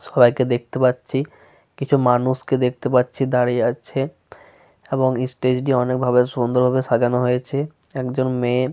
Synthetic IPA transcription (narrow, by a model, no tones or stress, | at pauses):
ʃɔbajked̪ek̚t̪epatːɕʰi | kit͡ɕʰumanuʃked̪ek̚ʰt̪epatːɕʰid̪aɾiat͡ɕʰe | eboŋesʈed͡ʑʈiɔnekbʱabeʃund̪oɾbʱabeʃad͡ʑanoɦojet͡ɕʰe | ɛkd͡ʑonme